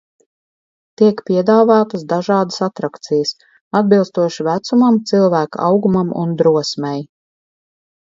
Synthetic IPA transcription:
t̪iɛkpʲiɛd̪aːvaːt̪əsd̪aʒɑːd̪əsat̪ɾakt̪sijəs | ad̪̚bilˠst̪uɔʃivæt̪sumamt̪silˠvæːkaawɡumamṵnd̪ɾuɔsmɛj

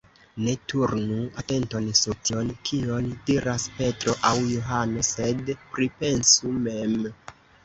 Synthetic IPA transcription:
ne̞tuɾnuate̞nto̞nsutio̞nkʰiondiɾaspe̞tɾo̞ʔawjoɦano̞se̞dpɾipe̞nsume̞m

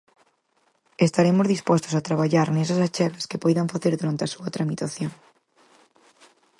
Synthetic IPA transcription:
est̪aɾemozðispɔst̪ʊ̥sat̪ɾaβaʎaɾnɛsasat͡ʃɛɣɐskɪpɔjðɐɱfaθeɾðuɾant̪ɪasuɐt̪ɾamit̪aθjoŋ

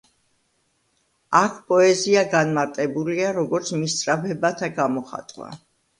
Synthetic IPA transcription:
akʰpʼɔɛziaɡanmaɾt̪ʼɛbuliaɾɔɡɔɾt̪sʰmist̪sʼɾabɛbat̪ʰaɡamɔχa̰t̪ʼwa̰

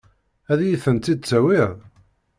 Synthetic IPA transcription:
æðjiθənt̪ːid̪̚t͡sːæwɪð

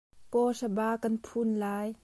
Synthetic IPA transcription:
pɔsabaːkanpʰunlaːj

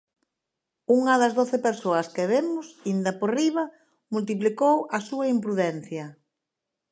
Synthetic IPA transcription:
uŋɐðɐzðoθepeɾsoɐskeβemʊsind̪ɐporiβ̞ɐ | mult̪̬iplikowɐsuɐimpɾuðɛn̟θjɐ

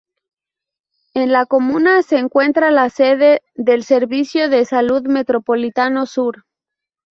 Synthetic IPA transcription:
e̞nlako̞mũnase̞ːŋkwe̞nt̪ɾalaseðe | ðe̞lse̞ɾβisjo̞ðe̞saluðme̞t̪ɾo̞po̞lit̪ano̞suɾ

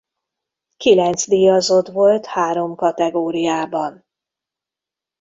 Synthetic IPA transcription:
kilɛnt̪zd̪ijɒzo̞d̪ʋo̞lt̪haːɾo̞mkɒt̪ɛɡoːɾijaːbɒn

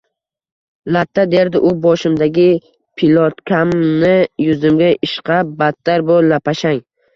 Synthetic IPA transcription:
lat̪ʰːad̪e̞ɾd̪ɪʔʊbɒʃɪmd̪aɡʲɪ | pʰɪlɒt̪kʲʰamnɪjʊzɪmɡʲaʔɪʃqʰabat̪ːaɾbolapʰaʃaŋ

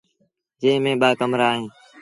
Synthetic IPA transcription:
d͡ʒẽːmẽːɓaːkəmɾaːɦẽː

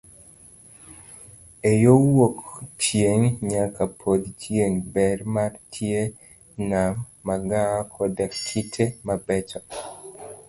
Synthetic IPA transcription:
ejowokt͡ʃjeŋɲakapʰod̪t͡ʃjeŋbɛrmartʰje | nammaɡakʰɔdakʰːitʰemabɛt͡ʃɔ

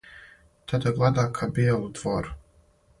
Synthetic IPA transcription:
t̪ʰad̪ɛvlˠad̪akʰabeɛlˠud̪vɔɾ

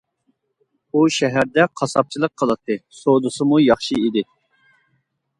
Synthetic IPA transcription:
uʃɛɦæɾd̪ɛqʰɑsɑp̚t͡ʃʰilˠəq̚ʰːəlˠɨt̪ʰːɨsod̪usɨmujɑχʃiid̪ɪ

